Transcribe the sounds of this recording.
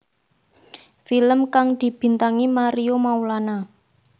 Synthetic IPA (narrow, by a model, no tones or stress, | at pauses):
filəmkaŋd̪̥i̤b̥i̤nt̪aŋimaɾiomaulana